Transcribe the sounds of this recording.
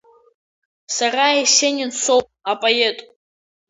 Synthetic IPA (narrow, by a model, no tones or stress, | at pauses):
saraesenʲɪnsʰʷo̞wpʼapʼoetʼ